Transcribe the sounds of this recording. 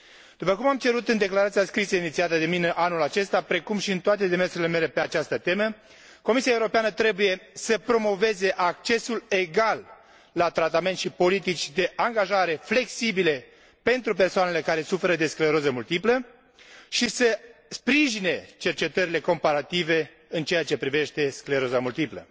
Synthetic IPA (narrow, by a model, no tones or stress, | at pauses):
d̪̥upəkumamt͡ʃe̞ɾut̪ɨnd̪e̞klaɾat̪siaskɾiseinit̪siat̪əd̪e̞mineʔanulat͡ʃe̞st̪apɾe̞kumʃiɨnt̪oat̪e̞d̪e̞me̞rsuɾieleme̞le̞pe̞at͡ʃast̪ət̪e̞mə | ko̞misiaeuɾo̞peanət̪ɾe̞buje̞səpɾo̞mo̞ve̞ze̞ʔak̚t͡ʃe̞sule̞ɡalː | at̪ɾat̪ame̞nt̪ʃipo̞lit̪it͡ʃʲd̪e̞ʔaŋɡaʒaɾe̞fle̞ksibile̞ | pe̞nt̪ɾup̬e̞rsoane̞le̞kaɾe̞sufe̞ɾəd̪e̞skleɾozəmult̪iplə | ʃisəspɾiʒine̞t͡ʃe̞rt͡ʃe̞t̪əɾile̞ko̞mpaɾat̪ive̞ | ɨnt͡ʃe̞jat͡ʃe̞pɾive̞ʃt̪e̞skleɾo̞zamult̪iplə̰